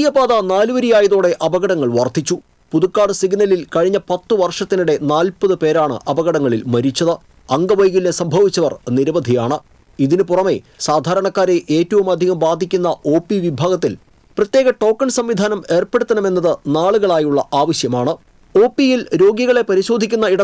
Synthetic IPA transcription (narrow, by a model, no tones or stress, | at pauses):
ijɐbaːðɐnaːluʋɐɾijaːjɐðoːɽe̞ʔɐbɐɣɐɽɐŋːɐɭʋɐrt̪it͡ɕːu | puðukːaːɽɨsiɡnɐlilkɐɻiɲːɐpɐt̪ːɨʋɐrʂɐt̪ːinuɽe̞naːlpɐðɨpe̞ːɾaːɳɨ̰ʔɐbɐɣɐɽɐŋːɐɭilmɐɾit͡ɕːɐðɨ | ɐŋɡɐʋɐjɣilnesɐmbʱɐʋit͡ɕːɐʋɐrniɾɐʋɐd̪ʱijaːɳɨ | iðinɨpurɐme̞saːd̪ʱaːɾɐɳɐkːaːɾe̞ʔe̞ːtːɐʋumɐd̪ʱiɣɐmbaːd̪ʱikʲːunːɐʔo̞ːpːiʋibʱaːɣɐt̪̬ːil | prɐt̪jeːɣɐʈo̞ːkːɐnsɐmʋid̪ʱaːnɐme̞ːrpe̞ɽut̪ːɐnɐme̞nːɐðɨnaːɭuɣɐɭaːjuɭːɐʔaːʋɐɕjɐmaːɳɨ | o̞ːpːijilɾo̞ːɡjiɣɐɭe̞pɐɾiɕo̞ːd̪ʱikʲːunːɐiɽɐ